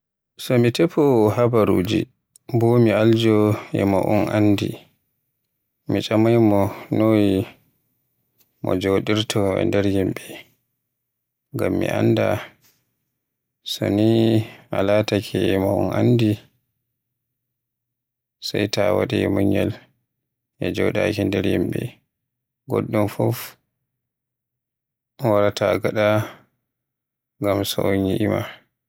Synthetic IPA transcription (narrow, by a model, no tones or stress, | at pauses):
sɔmitɛpɔhabaɾṵːd͡ʒi | bɔmiald͡ʒɔɛmaʔunʔandi | mit͡ʃʼamajmɔnoːji | mɔ̰d͡ʒoːɗiɾtʰɔɛ̰ndɛɾhimbɛ | ŋɡamːiʔa̰nda | sɔ̰niʔalatakʰɛmaɔnʔandi | sajtawaɗɛɛmɔɲːɛl | ʔɛd͡ʒɔɗakindɛɾjimbɛ̰ | ɡɔ̰ɗːɔmfɔf | waɾatʰaɡaɗa | ŋɡamsɔʔoniʔima